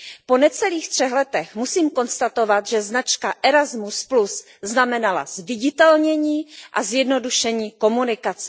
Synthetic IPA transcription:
po̞nɛt͡sɛliːxt̪r̝̥ɛxlɛt̪ɛxmusiːmko̞nst̪at̪o̞vat̪ʒɛznat͡ʃkaʔɛɾazmusplus | znamɛnala̰zvɪɟɪt̪ɛlɲɛɲiːʔazjɛdno̞duʃɛɲiːko̞munɪkat͡sɛ̥

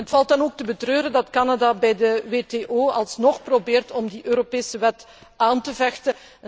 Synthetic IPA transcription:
ɦətfɑlˠt̚dɑnoːk̚təbətrøːɾəndɑtkanadabɛjdəweːteːʔoːɑlˠsnɔxprobeːrtɔmdiʔøːɾopeːsəʋɛt | aːntəvɛxtə

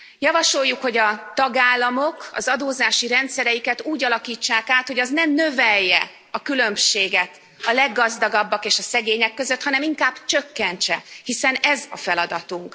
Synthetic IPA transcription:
jɒvɒʃo̞jːukho̞ɟɒt̪ɒɡaːlːɒmo̞kɒ̰zɒd̪oːzaːʃiɾɛnt̪sɛɾɛjikɛt̪uːɟɒlɒkiːt͡ʃːaːkaːt̪hoɟɒznɛmnø̞vɛjːɛ | ɒkylø̞mʃeːɡɛt̪ | ɒlɛɡːɒzd̪ɒɡɒbːɒkeːʃɒsɛɡeːɲɛkːø̞zøt̪hɒnɛmiŋkaːb̥t͡ʃø̞kːɛnt͡ʃɛhisɛnɛzɒfɛlɒd̪ɒt̪uŋk

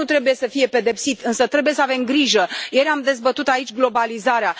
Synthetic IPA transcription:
ut̪ɾe̞buje̞səfije̞pe̞d̪e̞psit̪ɨnsət̪ɾe̞buje̞səave̞mɡɾiʒəjeɾʲamd̪e̞zbət̪ut̪ait͡ʃʲɡlo̞balizaɾea

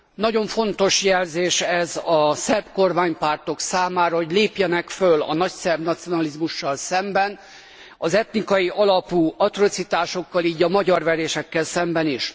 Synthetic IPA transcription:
nɒɟo̞ɱfo̞nt̪o̞ʃjɛlzeːʃɛzɒsɛb̥ko̞rmaːɲpaːrt̪o̞ksaːmaːɾɒɦo̞ɟleːpjɛnɛkfølɒ̰nɒcsɛbnɒt̪sio̞nɒlizmuʃːɒlsɛmbɛn | ɒzɛt̪nikɒjiʔɒlɒpuːɒt̪ro̞t̪sit̪aːʃo̞kːɒliːɟɒmɒɟɒrvɛɾeːʃɛkːɛlsɛmbɛniʃ

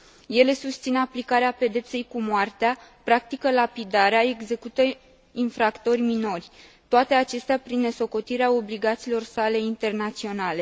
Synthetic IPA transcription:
je̞le̞sust̪sineaplikaɾeape̞d̪e̞pse̞jkumoart̪eapɾak̚t̪ikəlapid̪aɾeae̞ɡze̞kut̪ə | infɾakt̪o̞rʲmino̞rʲt̪oat̪e̞at͡ʃe̞st̪eapɾinːe̞soko̞t̪iɾeao̞bliɡat̪siːlo̞rsale̞int̪e̞rnat̪sio̞nale̞

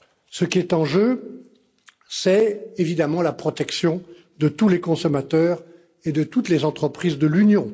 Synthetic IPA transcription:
səkʲiɛt̪ɑ̃ʒø | sɛevid̪amɑ̃lapχɔt̪ɛksjɔ̃ | d̪ət̪ulekɔ̃sɔmat̪œːʁ | ed̪ət̪ut̪lezɑ̃t̪χəpχizd̪əlynjɔ̃

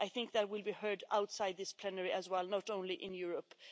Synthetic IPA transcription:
ʔaɪθɪ̃ŋk̚ðɨt̚wɪlˠbihɜ˞daʊtsaɪd̪̚ðɪspʰl̥ɛnəɹiʔɨzwɛlˠnəɾõʊ̃nliʔɪ̃njʊɹəp

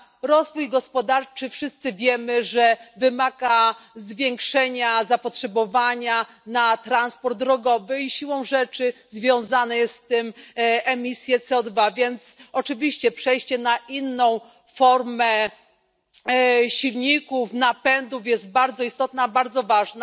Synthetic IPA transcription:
ɾɔzvujɡɔspɔd̪aɾt͡ʂɘfʂɘst̪sɘvʲjɛmɘʐɛvɘmaɡazvʲjɛŋkʂɛɲazapɔtʂɛbɔvaɲa | nat̪ɾanspɔɾd̪̚ːɾɔɡɔvɘiɕiwɔ̃w̃ʐɛt͡ʂɘzvʲjɔ̃w̃zanɛjɛst̪ɘmɛmʲisʲjɛt̪sɛɔd̪vavʲjɛnt̪sɔt͡ʂɘvʲiɕt͡ɕɛpʂɛjɕt͡ɕɛnaʔinːɔ̃w̃ | fɔɾmɛ | ɕilɲikufnapɛnd̪ufjɛzt̪̚baɾd̪zɔist̪ɔt̪nabaɾd̪zɔvaʐna

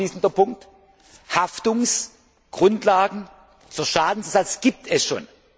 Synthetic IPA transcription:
iːsn̩dɐpʰʊŋk̚t | haftʊŋs | ɡ̥ʁʊntlaːɡŋ̩ | t͡suɐʃaːdn̩sɐzat͡sɡ̥iːp̚tʰɛsʃo̰ːn

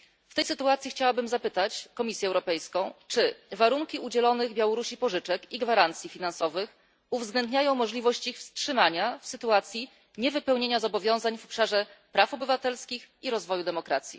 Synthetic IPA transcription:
ft̪ɛjsɘt̪uat̪sʲjixt͡ɕawabɘmzapɘt̪at͡ɕkɔmʲisʲjɛwɾɔpɛjskɔ̃w̃t͡ʂɘvaɾuŋkʲiud͡ʑɛlɔnɘɣbʲjawɔɾuɕipɔʐɘt͡ʂɛkiɡvaɾant̪sʲjifʲinansɔvɘx | uvzɡlɛnd̪ɲajɔ̃w̃mɔʐlʲivɔɕt͡ɕixfstʂɘmaɲafsɘt̪uat̪sʲji | ɲɛvɘpɛwɲeɲazɔbɔvʲjɔ̃w̃zaɲvɔpʂaʐɛpɾafɔbɘvat̪ɛlskʲixiɾɔzvɔjud̪ɛmɔkɾa̰t̪sʲjḭ

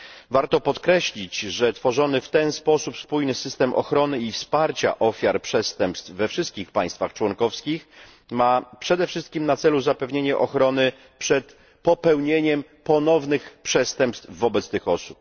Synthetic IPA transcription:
vaɾt̪ɔpɔt̪kɾɛɕlʲit͡ɕʐɛt̪fɔʐɔnɘft̪ɛnspɔsupspujnɘsɘst̪ɛmʔɔ̰xɾɔnɘifspaɾt͡ɕa̰ʔɔfʲjaɾpʂɛst̪ɛmpst̪fvːɛfʂɘst̪kʲixpaj̃st̪faxt͡ʂwɔnkɔfskʲix | mapʂɛd̪ɛfʂɘst̪̚kʲimnat̪sɛluzapɛvɲeɲɛʔɔxɾɔnɘ | pʂɛt̪ | pɔpɛwɲeɲɛm | pɔnɔvnɘxpʂɛst̪ɛmpst̪vːɔbɛt̪st̪ɘxɔsup̚

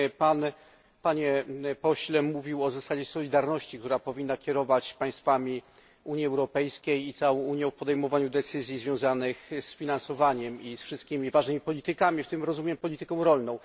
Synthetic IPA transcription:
pan | paɲɛpɔɕlɛmuvʲiwɔzasad͡ʑɛsɔlʲid̪aɾnɔɕt͡ɕikt̪uɾapɔvʲinːakʲɛɾɔvat͡ɕpaj̃st̪famʲi | uɲjiɛwɾɔpɛjskʲejit̪sawɔ̃w̃uɲjɛ̃wfpɔd̪ɛjmɔvaɲud̪ɛt̪sɘzʲjizvʲjɔ̃w̃zanɘxsfʲinansɔvaɲɛmisfʂɨst̪̚kʲimʲivaʐnɘmʲipɔlʲit̪ɘkamʲift̪ɘmɾɔzumʲjɛmpɔlʲit̪ɘkɔ̃w̃ɾɔlnɔ̃w̃

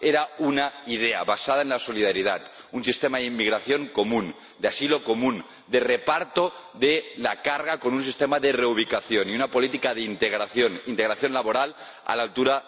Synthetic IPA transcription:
eɾaunaið̞ea̰βasaðaenlasoliðaɾiðat̪ | unsist̪emaðimːiɣɾaθjo̞ŋkomũn | d̪easilo̞ko̞mũn | d̪erepaɾt̪o | ðelakaɾɣakonuns̬ist̪emaðereuβ̞ikaθjoniunapo̞lit̪ikaðeint̪eɣɾaθjonint̪eɣɾaθjonlaβoɾal | a̰lalt̪uɾa

